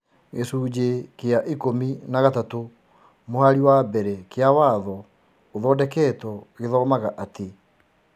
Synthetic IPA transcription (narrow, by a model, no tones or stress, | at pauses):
ɣesuːd͡ʑekeaʔikominaɣatato | mohaɾiwabɛɾɛkeawaðɔ | oðɔːdɛkɛːtwɔɣeðɔmaɣaʔatʰe